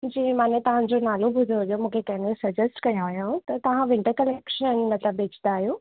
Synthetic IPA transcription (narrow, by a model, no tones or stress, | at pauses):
d͡ʑiːmaːnet̪ɐʋ̤ãd͡ʑonaːlobʱʊd̪oɦʊjomũːkʰekɐ̃ɦɪ̃nkʰesɐd͡ʑəsʈkɐjõəjõt̪ɐt̪ɐʋ̤ãʋɪ̃ɳʈəɾkɐlekʃənənĩnɐt̪ləbːeːt͡ɕʰnd̪aːɦijoː